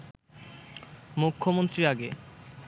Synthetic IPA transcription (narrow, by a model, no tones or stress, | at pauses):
mukʰːomont̪ɾiɾaɡe